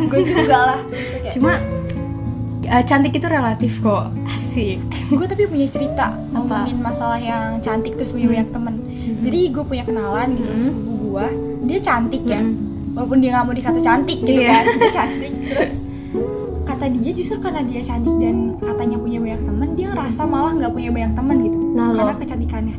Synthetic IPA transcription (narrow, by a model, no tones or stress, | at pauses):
ɡuat̪uɡalah | t͡ʃuma | ət͡ʃant̪ɪkit̪uɾelat̪ɪfkɔʔ | asɪ | ɡuat̪apipuɲat͡ʃəɾit̪a̰ | maŋpiŋɪnmasalahjaŋt͡ʃant̪ɪk̚t̪əɾʊspuɲabaɲak̚t̪əmən | d͡ʒadiɡuapuɲakənalanɡit̪usubuɡua | diat͡ʃant̪ɪkja | walawp̬ʊndiaŋamudikat̪at͡ʃant̪ɪk̚ɡit̪ukadiat͡ʃant̪ɪk̚t̪əɾʊs | kat̪adiad͡ʒust̪ɾʊkanadiat͡ʃant̪ɪk̚dankat̪aɲapuɲabajak̚t̪əməndijaŋrasamalahŋɡapuɲabajak̚t̪əmənɡit̪uakanakət͡ʃant̪ikanja